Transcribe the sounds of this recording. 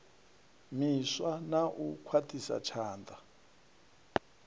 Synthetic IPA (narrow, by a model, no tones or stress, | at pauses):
miswanaʔukʰwatʰisa̰t͡ʃʰaːnda